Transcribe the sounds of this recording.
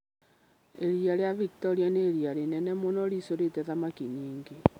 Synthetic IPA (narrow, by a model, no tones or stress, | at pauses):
eɾiaɾejaviktɔɾianeːɾiaɾenɛnɛmonɔɾisoɾetɛðamakiɲiːŋɡe